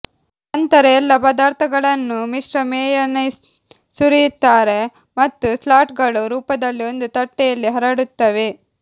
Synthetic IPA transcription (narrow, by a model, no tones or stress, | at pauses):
ɐnt̪ɐɾɐɛlːɐpɐd̪aːɾt̪ʰɐɡɐɭɐnːumiʂɾɐmɛːjɐnɐ | suɾijut̪ːaːɾe̞ | mɐt̪ːuslaːʈɡɐɭuɾuːpɐd̪ɐlːio̞nd̪ut̪ɐʈːɛjɐlːiɦɐɾɐɽut̪ːɐʋe